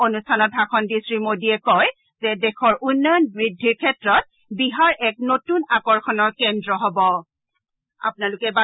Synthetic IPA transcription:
onustʰanɔt̚bʱaxʰɔnbistɹimodiɛkɔj | zɛdɛxʰɔɹʔunːɔjɔnbɹidʱːiɹkʰɛtɹɔt̚ | biɦaɹʔɛknotunakɔɹxʰɔnɔɹkɛndɹɔɦɔbɔ | a̰pʊnalʊkɛba

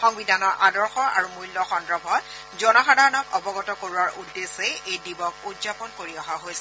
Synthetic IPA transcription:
xɔŋbidʱanɔɹʔadɔɹxɔa̰ɹumujlːɔxɔndɹɔbʱɔt̚ | zɔnɔxadʱaɹɔnɔkɔbɔɡɔtɔkoɹuwaɹʔudːeseejdibɔk̚udzapɔnkoɹiɔɦaɦojsɛ

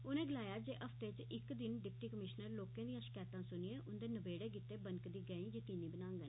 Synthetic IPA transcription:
ʊnẽːɡəlaːjaːd͡ʒeːʔəfʰt̪eːt͡ʃɪkd̪ɪnɖɪpʈiːkəmɪʃnəɾloːkẽːd̪ijãːʃə̥kaːt̪ãːsʊnijeːʔʊnd̪eːnəbeːɽeːk̬it̪eːbənkd̪iːɡɛːĩːd͡ʒeːt̪iːnĩːbənãːŋɡə

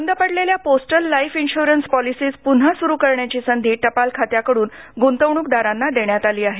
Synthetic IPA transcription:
ənd̪əpəɽleljaposʈəlːajfinɕuɾənspɔlisiːspun̤asuɾuːkəɾɳjat͡ɕiːsənd̪ʱiːʈəpalkʰat̪jakəɽuːnɡont̪əʋɳ̃uːkd̪aɾanːad̪eɳjat̪aliːaɦe

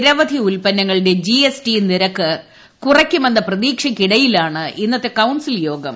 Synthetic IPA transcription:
ɾɐʋɐd̪ʱiulpɐnːɐŋːɐɭɨɽe̞d͡ʑiesʈiniɾɐkːɨ | kurɐkʲːumɐnːɐprɐðiːkʂɐkːiɽɐjilaːɳɨʔinːɐt̪ːe̞kɐwnsiljo̞ːɡɐm

